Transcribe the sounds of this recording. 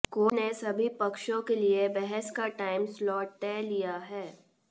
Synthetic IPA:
koːnesɐbʱipɐkʃõkeliebɛɦɛskaʈaːɪmslɔːʈ̚t̪ɛːlijaɦɛː

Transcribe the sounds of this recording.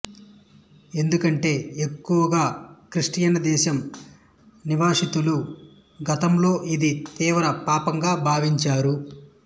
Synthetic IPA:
e̞nd̪ukɐɳʈe̞ːekːuʋɐɡaːkɾiʂʈijɐnɐd̪ɛːʃɐm | niʋaːʂit̪ulu | ɡɐt̪ɐmlo̞ːʔid̪it̪iːʋɾɐpaːpɐŋɡaːbʱaːʋiɲt͡ʃaːɾu

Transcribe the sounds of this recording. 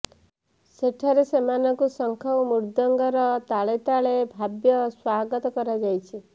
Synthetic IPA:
seʈʰaɾesemanɔkusɔŋkʰɔwmuɾd̪ɔŋɡɔɾɔt̪aɭet̪aɭebʱabjɔswaɡɔt̪ɔkɔɾad͡ʒajt͡ʃʰi

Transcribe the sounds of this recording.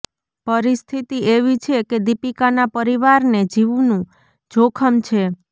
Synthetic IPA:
pəɾist̪ʰit̪ieʋit͡ʃʰeked̪ipikanapəɾiʋaɾned͡ʒiʋunũ | d͡ʒʱokʰəmt͡ʃʰe

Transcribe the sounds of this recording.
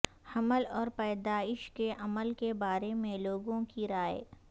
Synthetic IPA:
hɐməlɔːɾpɛːd̪aːɪʃkeʔɐməlkebaːɾemẽloːɡõkiɾaːe

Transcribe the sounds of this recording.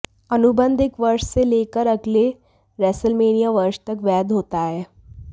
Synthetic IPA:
ənubənd̪ʱɪkʋəɾʂseleːkəɾəɡle | ɾɛsəlmeːnijaʋəɾʃt̪əkʋɛːd̪ɦoːt̪aɦɛː

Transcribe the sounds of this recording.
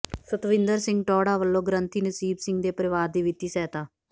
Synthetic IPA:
sət̪ʋɪ̃nd̪əɾsɪ̃ŋɡʈɔːɽaːʋəlːõːɡɾə̃nt̪ʰiːnəsiːbsɪ̃ŋɡd̪eːpəɾɪʋaːɾd̪iːʋɪt̪iːsɛːt̪aː

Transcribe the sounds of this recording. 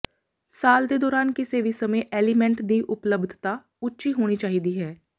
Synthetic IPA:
saːld̪ed̪ɔːɾaːnkiseːʋisɐmeʔeːlɪmɛ̃ɳʈd̪iʔʊpləbd̪ʱt̪a | ʊtːʃiɦoːñit͡ʃaːɦid̪iɦɛː

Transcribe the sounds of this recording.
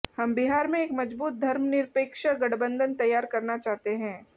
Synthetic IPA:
hɐmbɪɦaːɾmẽeːkmɐd͡ʒbuːt̪̚d̪ʱɐɾmnɪɾpeːkʃəɡɐɽbə̃nd̪ʱənt̪ɐjːaːɾkɐɾnat͡ʃaːɦt̪eɦɛ̃ː

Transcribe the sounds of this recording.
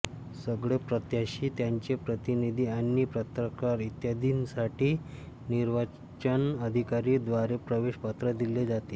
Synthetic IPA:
səɡɭepɾət̪jaɕiːt̪jaɲt͡ɕepɾət̪inid̪ʱiːanːiːpɾət̪ɾəkaɾit̪jad̪ʱinsaʈiː | niɾʋa | t͡ɕənəd̪ʱikaɾiːd̪ʋaɾepɾəʋeɕpat̪ɾəd̪iled͡zat̪e

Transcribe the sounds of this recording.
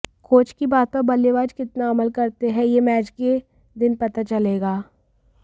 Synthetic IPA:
kʰoːt͡ʃkibaːt̪̚pɐɾbɐleʋaːd͡ʒkɪt̪naɐməlkɐɾt̪eɦɛ̃jemɛːt͡ʃke | d̪ɪnpɐt̪at͡ʃɐleːɡaː

